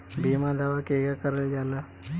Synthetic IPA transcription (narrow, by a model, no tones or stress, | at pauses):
bimad̪ʱaʋakeɡakəɾəld͡ʒala